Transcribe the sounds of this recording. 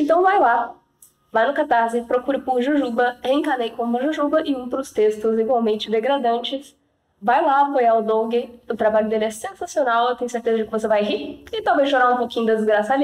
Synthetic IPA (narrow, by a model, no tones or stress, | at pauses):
ẽnt̪ɐ̃w̃vajla | vajnʊkat̪aɾzɪpɾokuɾɪpʊɾʒuʒubɐẽŋkanejkõpɐ̃ʒuʒubɐʔɪũpɾʊst̪est̪ʊziɡwawmẽnt͡ʃɪd̪eɡɾad̪ɐ̃nt͡ʃɪs | vajlaapojaʊd̪õɡɪʊt̪ɾabaʎʊd̪elɪɛsẽsasionawewt̪ẽɲ̃jʊ̃seɾt̪ezɐd͡ʒɪkɪvos̬evajɦiɪt̪awvezʃoɾaũpokĩɲʊd̪ɐd͡ʒɪzɡɾasad͡ʒi